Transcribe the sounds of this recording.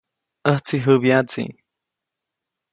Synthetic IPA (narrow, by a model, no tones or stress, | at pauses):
əht͡siɦɨbjat͡sḭ